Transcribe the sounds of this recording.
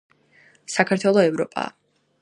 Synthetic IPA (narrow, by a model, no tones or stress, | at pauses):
sakʰaɾt̪ʰwɛlˠɔɛvɾɔpʼa̰ː